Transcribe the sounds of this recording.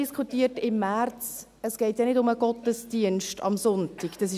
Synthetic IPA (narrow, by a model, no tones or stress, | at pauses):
iskʰχutiːətɪmːært͡s | əsɡ̥ɛɪtjɑnɪdʊməɡ̥ɔtəsd̥iənʃtʰɑ̰msʊntiɡ̥d̥ɑs̬ɪ